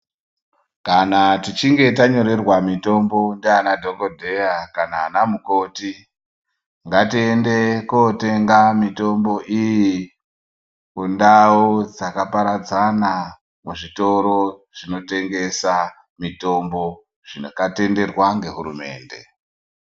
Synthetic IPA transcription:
kanatit͡ʃiŋɡe̞t̬aɲo̞ɾe̞rwamito̞mbo̞ndeanadʱo̞kodʱe̞akanaːnamuko̞ːti | ŋɡatiende̞kote̞ŋɡamito̞mbo̞ʔiji | kundaod͡zakapaɾad͡zana | muʐito̞ɾo̞ʐ̥ino̞te̞ŋɡe̞sa | mito̞mbo̞ | ʐ̥inakate̞nde̞rwaŋɡe̞ɦuɾume̞̰ːnde̞̰

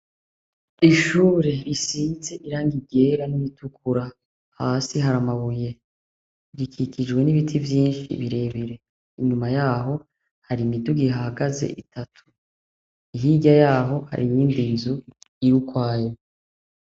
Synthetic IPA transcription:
iʃuːɾe̞ɾisiːnze̞ʔiɾaːŋɡibɟe̞ɾaniβitʰukʰuɾa | haːsiɦaɾamaβuje̞ | ɾikʰikʰid͡ʒɡwe̞niβitʰivjiːnʃḭβiɾe̞ːβiɾe̞ | iɲumajaːɦo̞ | haɾimiduɡiɦahaɡazḛʔitʰatʰu̥ | iɦiɟajaːɦo̞ha̰ɾʔiɲiːndinzuijukwaːje

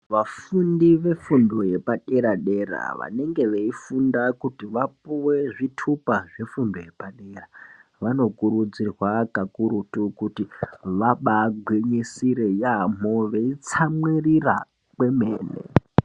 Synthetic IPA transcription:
ʋafundiʋe̞fundo̞je̞paɗe̞ɾaɗe̞ɾa̰ʋa̰ne̞ŋɡe̞ʋeifundakutiʋapuwe̞ʐitʰupaʐe̞fundoje̞paɗe̞raʋano̞kuɾud͡zirwakakuɾutukutiʋaɓaɡʱweɲesiɾe̞jam̤oʋeit͡samwirira̰ | kwe̞mḛːnḛ

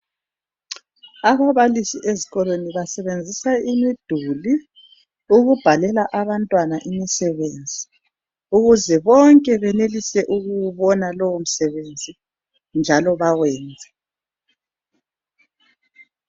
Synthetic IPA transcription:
aβaβalisiʔeziɣɔlweniβasɛβend͡zʱisaimid̥ʱuli | uɣub̥ʱalɛlaʔaβantʼwanaʔimisɛβend͡zʱi | uɣuzɛβɔŋkʼɛβɛnelisɛʔuɣuwuβɔnalɔwom̩sɛβend͡zʱi | nd͡ʒʱalɔβawɛːnd͡zʱɛ

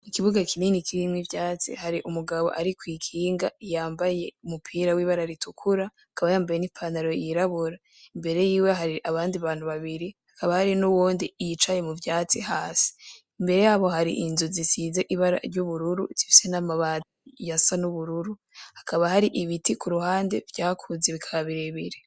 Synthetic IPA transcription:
nikiβuɡakʰininikiɾimŋivjaːt͡sḭhaɾiʔumuɡaβo̞̰ʔaɾikwiːkʰiːŋɡaijaːmbaje̞umupʰiɾawiːβaɾaɾitukʰuɾa | akaβajaːmbajenipʰandaɾo̞jiɾaβuɾa | imbe̞ɾe̞jiːweɦaɾiʔaβaːndiβaːn̥huβaβiɾihḁkaβahaɾinuwoːndijit͡ʃaje̞muvjaːt͡sihaːsi̥ | imbe̞ɾe̞jaβo̞ɦaɾḭʔinzuzisize̞ʔiβaɾa̰ɾɟuβuɾuɾṵzifi̥se̞namaβa | jasanuβuɾuɾu | hakaβahaɾiʔiβitikuɾuhaːnde̞vjaːkʰuzeβikʰaaβiɾeβiɾe

